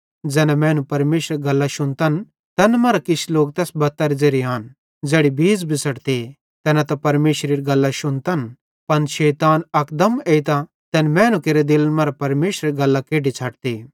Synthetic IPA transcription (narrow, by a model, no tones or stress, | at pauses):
d͡zɛːnɛmɛ̃ːnũpɐɾmeːʃɾɡɐlːaʃʊnt̪ɐn | t̪ɛːnmɐːɾakɪsʰiloːɡ̚t̪ɛːsbɐt̪ːaɾid͡zeːɾiaːn | d͡zɛːɽibʱiːd͡zbisɐʈt̪e | t̪ɛːnat̪ɐpɐɾmeːʃɾeːɾiɡɐlːaʃʊnt̪ɐn | pɐnʃɛːt̪aːnɐkd̪ɐmeːit̪a | t̪ɛːnmɛ̃ːnũkeːɾed̪ɪlmɐːɾapɐɾmeːʃɾeɾiɡɐlːakeːɖit͡ʃʰɐʈ̚t̪eː